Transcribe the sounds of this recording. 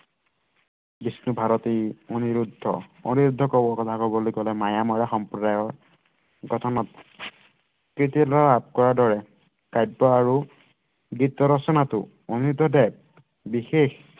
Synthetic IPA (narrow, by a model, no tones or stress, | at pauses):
bisnubʱaɹɔtioniɹudʱːɔ̰oniɹudʱːɔkɔbɔkɔtʰakɔbɔlojkɔlɛmajamɔɹaxɔmpɹɔdajɔɹ | ɡʱɔtʰɔnɔt̚ | kɹitilɔap̚kɔɹadɔɹɛ | kajbːɔaɹu | ɡitːɔɾɔsɔnatʊ̰ | oniudʱːɔdɛb̚ | bixex